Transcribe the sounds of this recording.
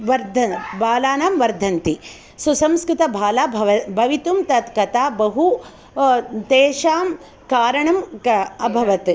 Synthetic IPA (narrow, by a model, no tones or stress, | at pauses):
ʋɐɾd̪ʱɐbʱaːlaːnaːmʋɐɾd̪ʱɐnt̪i | susɐmskɾɪt̪ɐbʱaːlaːbʱɐʋɐbʱɐʋit̪umt̪ɐt̪kɐt̪aːbɐɦu | t̪eːʃaːm | kaːɾɐɳɐmɐbʱɐʋɐt̪